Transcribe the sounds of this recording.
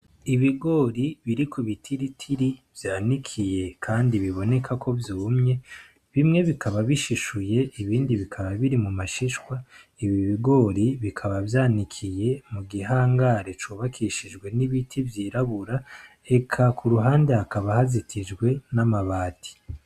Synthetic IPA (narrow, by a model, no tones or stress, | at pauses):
iβiɡo̞ːɾiβiɾikuβitʰiɾitʰiɾiv̥jaːnikʰije̞kʰaːndiβiβo̞ne̞kʰakʰo̞vjuːmɲe̞ | βimŋe̞βikʰaβaβiʃiʃuje̞ʔiβiːndiβikʰaβaβiɾimumaʃiʃwa | iβiβiɡo̞ːɾiβikʰaβavjaːnikʰije̞muɡiɦaːŋɡaɾe̞t͡ʃuːβakʰiʃid͡ʒɡwe̞niβitʰivjiːɾaβuɾa | e̞kʰakʰuɾuɦaːnde̞hakaβahazitʰid͡ʒɡwe̞namaβaːtʰi̥